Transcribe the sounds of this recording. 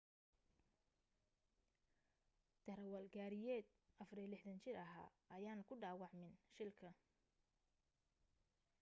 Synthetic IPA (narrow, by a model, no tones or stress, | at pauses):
d̪̥ɐɾɐwɐlɡaːɾɪjɛːd̪ | ʔɐfrijlɪħdɐnt͡ʃɪrɐɦa̰ːʔɐjaːnkʰʊɖaːwɑʕmɪnʃɪlkʰɐ